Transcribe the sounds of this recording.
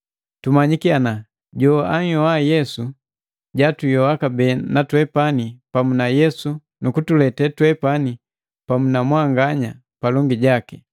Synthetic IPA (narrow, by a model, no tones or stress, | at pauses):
tumaɲikiana | ɟɔaɲ̩jɔwajɛsu | ɟatujɔwakabɛnatwɛpanipamunajɛsu | nukutulɛtɛtwɛpani | pamunamwaŋɡaɲa | palɔŋɡiɟaki